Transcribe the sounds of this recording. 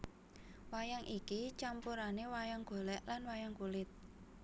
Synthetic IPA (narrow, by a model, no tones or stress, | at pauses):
wajaŋʔikit͡ʃampuɾanewajaŋɡ̥o̤lɛʔlanwajaŋkulɪt̪̚